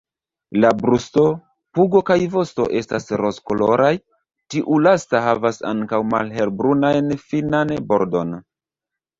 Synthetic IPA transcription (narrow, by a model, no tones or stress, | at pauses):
labɾusto̞ | puɡo̞kajvo̞sto̞̰ʔe̞stasɾo̞sko̞lo̞ɾaj | tiʔulastaɦavasa̰ŋkawma̰lɦe̞ɾbɾunajnfinanbo̞̰ɾdo̞n